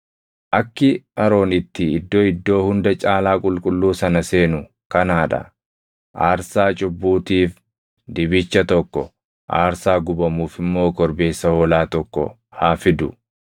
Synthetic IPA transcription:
ʔɐkːɪɐɾo̞ːnɪt̪ːɪɪd̪ːoːɪd̪ːo̞ːhʊnd̪ɐt͡ʃʼaːlaːkʼʊlkʼʊlːuːsɐnɐse̞ːnʊ | kɐnaːᶑɐ̰ | ʔaːɾsaːt͡ʃʼʊbːuːt̪iːf | d̪ɪbɪt͡ʃːɐt̪ɔkːɔ̰ | ʔa̰ːɾsaːɡʊbɐmuːfɪmːo̞ːkɔɾbe̞ːsːɐhoːlaːt̪ɔkːɔ̰ | haːfɪd̪ʊ

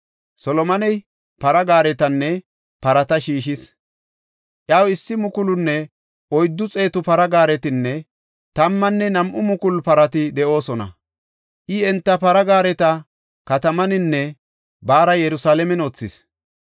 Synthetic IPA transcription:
sɔlɔmɐnɛj | pɐɾɐɡaːɾɛt̪ɐnːɛ | pɐɾɐt̪ɐʃiːʃ̬ɪs | ʔjaːwɪsːɪmʊkʊlʊnːɛ | ʔɔjd̪ːʊt͡sʼe̞ːt̪ʊpɐɾɐɡaːɾɛt̪ɪnːɛ | t̪ɐmːɐnːɛnɐmʔʊmʊkʊlpɐɾɐt̪ɪd̪ɛʔo̞ːsɔnɐ̰ | ʔɪɛnt̪ːɐpɐɾɐɡaːɾɛt̪ɐ | kɐt̪ɐmɐnɪnːɛ | baːɾɐjɛɾʊsaːlɛmɛnoːt͡sːɪs

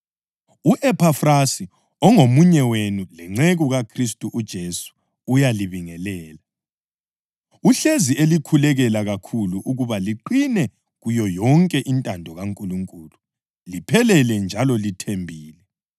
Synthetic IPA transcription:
uʔɛpʰafrasi | ɔŋomuɲɛwenulɛŋ͡ǀɛɣɔɣakʰris̬tʼuʔud̥ʒ̥ʱesu̥ | ujaliβiŋɛlɛːla | uɬezielikʰulɛɣɛlaɣakʰuluʔuɣuβaliǃinɛ | ɣujɔjɔŋkʼɛʔintʼandʱɔɣaŋkʼuluŋkʼuːlu | lipʰɛlɛlɛnd͡ʒʱalɔlitʰembʱiːlɛ

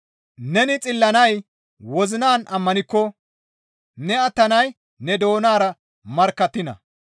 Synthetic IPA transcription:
nɛnɪt͡sʼɪlːɐnɐj | wɔzɪnaːnʔɐmːɐnɪkːɔ | nɛɐt̪ːɐnɐj | nɛd̪o̞ːnaːɾɐ | mɐɾkːɐt̪ːɪnɐ̰

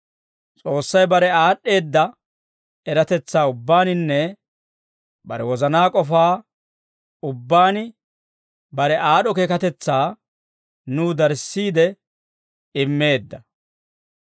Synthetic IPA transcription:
t͡sʼo̞ːsːɐjbɐɾɛaːɗːe̞ːd̪ːɐ | ɛɾɐt̪ɛt͡sːaːʊbːaːnɪnːɛ | bɐ̰ɾɛ̰wɔzɐnaːkʼɔfaː | ʊbːaːnɪ | bɐɾɛʔaːɗɔkeːkɐt̪ɛt͡sːaː | nuːd̪ɐɾsːiːd̪ɛ | ɪmːe̞ːd̪ːɐ

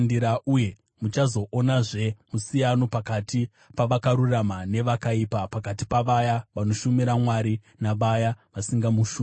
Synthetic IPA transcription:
ndiɾauje | mut͡ʃazo̞ʔonaʐe̞musijano̞pakati | paʋakaɾuramane̞ʋakaipapakati̥paʋajaʋano̞ʃumiɾamwaɾi | naʋajaʋasiŋɡamuʃuː

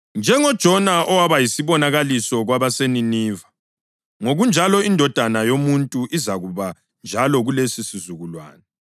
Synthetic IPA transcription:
nd͡ʒʱɛŋɔd̥ʒ̥ʱɔnaʔɔwaβajisiβɔnaɣalisɔɣwaβaseniniːva | ŋoɣund͡ʒʱalɔindʱɔd̥ʱanajomuntʼuʔizaɣuβa | nd͡ʒʱalɔɣulesisizuɣulwa̰ːnɛ

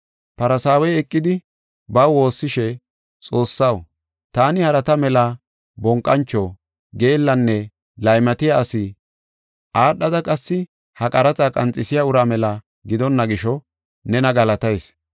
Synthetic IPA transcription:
pɐɾɐsaːwɛjɛkʼːɪd̪ɪ | bɐwwo̞ːsːɪʃɛ | t͡sʼo̞ːsːɐw | t̪aːnɪhɐɾɐt̪ɐmɛlɐ | bɔŋkʼːɐnt͡ʃːɔ | ɡe̞ːlːɐnːɛ | lɐjmɐt̪ɪjaːsɪ | ʔaːɗːɐd̪ɐkʼɐsːɪ | hɐkʼɐɾɐt͡sakʼɐnt͡sʼɪsɪjaʊɾaːmɛlɐ | ɡɪd̪ɔnːɐɡɪʃɔ | nɛnɐɡɐlɐt̪ɐjs

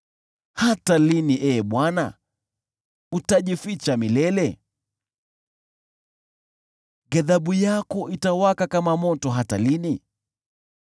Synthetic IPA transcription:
hataliniʔɛːɓwana̰ | utaʄifit͡ʃamilɛlɛ | ɡaðaɓujakɔʔitawakakamamɔtɔɦata̰lini

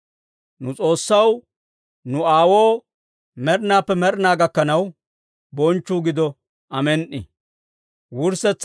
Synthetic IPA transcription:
nʊt͡sʼo̞ːsːɐw | nʊaːwoː | mɛɾɪnaːpːɛmɛɾnaːɡɐkːɐnɐw | bɔnt͡ʃːuːɡɪd̪ɔ | ʔɐmɛnʔɪ̰ | wʊɾsɛt͡sː

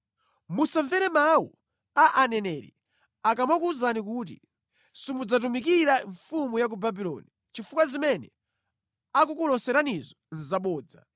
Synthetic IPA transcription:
musɛɱvɛɾɛmawṵ | aʔanɛnɛɾḭ | akamakuzanik̬uːt̬ḭ | simud͡zat̬umik̬iɾaɱfumujak̬ubabilɔ̰ni | t͡ʃifukazimɛnɛ | ak̬ukulɔsɛɾanizɔnzaɓɔːd͡za̰

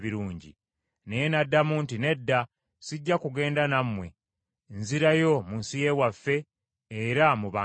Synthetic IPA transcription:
βiɾuːɲɟḭ | nejenadːamuntine̞dːa | siɟːakuɡe̞ːndanamwe̞̰ | nziɾajo̞munsije̞ːwafːe̞ː | ɾamuβaː

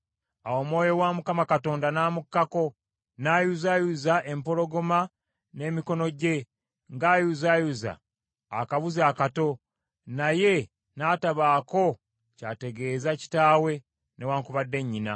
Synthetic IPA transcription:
awo̞ːmwo̞ːjo̞wamukamakato̞ːndanaːmukːako̞ | naːjuzajuzaʔe̞mpo̞lo̞ɡo̞ma | ne̞ːmiko̞no̞ɟe̞ | ŋɡaːjuzajuza̰ː | kaβuzaːkato̞ | naje̞ | naːtaβaːko̞ | caːte̞ɡe̞ːzaci̥taːwe̞ | ne̞waːŋkuβadːe̞ɲːina̰

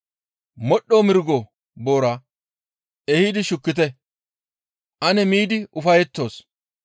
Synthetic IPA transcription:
mɔɗːoːmɪɾɡɔ | bo̞ːɾɐ | ɛhid̪ɪʃʊkːɪt̪̬ɛ | ʔɐnɛmiːd̪ɪʊfɐjɛt̪ːo̞ːs

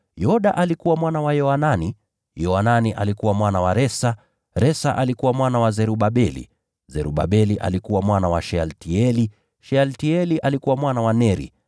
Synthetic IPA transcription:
jɔɗaʔalikuwamwanawajɔanani | jɔananiʔa̰likuwamwanawaɾɛsa | ɾɛsaʔalikuwamwanawazɛɾuɓaɓɛlḭ | zɛɾuɓa̰ɓɛliʔa̰likuwamwanawaʃɛaltiɛli | ʃɛaltiɛliʔalikuwamwanawanɛɾḭ

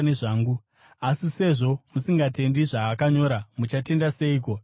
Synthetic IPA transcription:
neʐaːŋɡu | asise̞ʐo̞musiŋɡate̞ndiʐaːkaɲo̞ːɾamut͡ʃate̞ndase̞iːko̞

